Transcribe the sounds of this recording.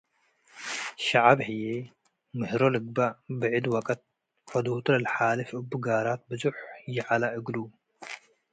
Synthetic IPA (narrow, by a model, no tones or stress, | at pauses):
ʃaʕabħɨje | mɨhɾolɨɡ̚babɨʕɨd̪wɐkʼɐt̪̚ | ħɔd̪hut̪ʰlɐlħalɨfʔɨbːuɡaɾat̪̚bɨzuħjɪʕalaʔɨɡlu